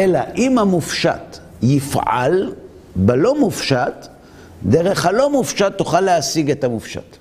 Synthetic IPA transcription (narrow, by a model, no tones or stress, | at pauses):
ʔelaʔimhamufʃa̰t | jifʕa̰l | belo̞mufʃat | deʁe̞χhalo̞mufʃatːuχalːeasiɡetamufʃa̰t